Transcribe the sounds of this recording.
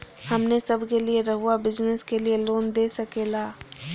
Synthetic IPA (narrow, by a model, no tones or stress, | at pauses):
hɐmnesɐbʱkelieɾɐɦuabɪd͡ʒnəskelieloːnd̪eːsɐkeːlaː